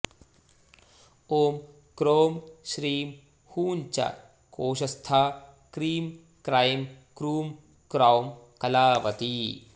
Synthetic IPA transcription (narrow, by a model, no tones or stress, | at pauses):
oːm | kɾoːmɕɾiːm | huːnt͡ɕa̰ | koːɕɐst̪ʰaː | kɾiːm | kɾajmkɾuːm | kɾawmkɐlaːʋɐt̪i